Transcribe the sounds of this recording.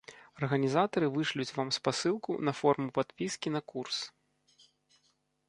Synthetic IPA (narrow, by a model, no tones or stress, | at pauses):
ɐrɣɐnʲizat̪ɐɾɨvɨʂlʲut͡sʲvamspasɨlˠkṵnɐfɔrmupat̪pʲiskʲin̪ɐkurs